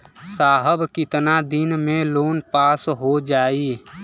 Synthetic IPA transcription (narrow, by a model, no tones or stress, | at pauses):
saːɦəbkɪt̪nad̪inmeloːnpaːsɦod͡ʒaːi